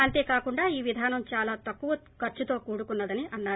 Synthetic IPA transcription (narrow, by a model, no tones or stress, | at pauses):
ɐnt̪e̞ːkaːkuɳɖaːiːʋid̪ʱaːnɐmt͡ʃaːlaːt̪ɐkːuʋɐ | kɐɾt͡ʃut̪o̞ːkuːɽukunːɐd̪ɐniʔɐnːaː